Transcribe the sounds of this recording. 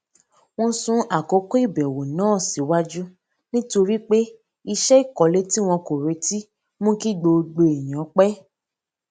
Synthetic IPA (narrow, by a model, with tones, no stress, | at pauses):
w̃ɔ̃˦sũ˦a˨ko˨˦ko˦i˦˨bɛ˨wo˨nãː˨˦˨si˨˦wa˦d͡ʒu˦ | nĩ˦to˧ɾi˦k͡pe˦ | i˧ʃɛ˦i˦˨kɔ˨˦le˦ti˦w̃ɔ̃˧ko˨ɾe˨˦ti˦ | mũ˦ki˦ɡ͡bo˧ɡ͡bo˧e˨j̃ã˨˦k͡pɛ˦